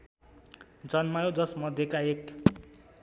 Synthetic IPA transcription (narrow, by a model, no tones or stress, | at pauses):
d͡zʌnmajod͡zʌsmʌd̪ʱjekaek